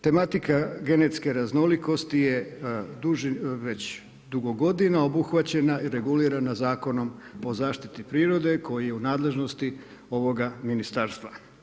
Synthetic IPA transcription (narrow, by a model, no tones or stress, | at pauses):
t̪e̞mat̪ikaɡe̞net̪ske̞ɾazno̞liko̞st̪ije̞d̪uʒʋe̞t͡ɕ | d̪uɡo̞ɡo̞d̪inaobuxʋat͡ɕe̞naiɾe̞ɡuliːɾanazaːko̞no̞mo̞zaːʃt̪it̪ipɾiːɾo̞d̪e̞kʰo̞jijeunaːd̪le̞ʒno̞st̪i | o̞ʋo̞ɡaminist̪aɾst̪ʋa